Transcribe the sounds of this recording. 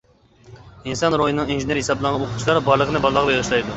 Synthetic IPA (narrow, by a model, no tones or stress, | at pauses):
insɑnɾojinɨŋinʒineɾhesɑblˠɑʁɑnoqʰʊ̥t͡ʃʰlˠɑɾbɑɾlˠəqənɨbɑlˠlˠəʁbeʁɨʃlˠɑjd̪u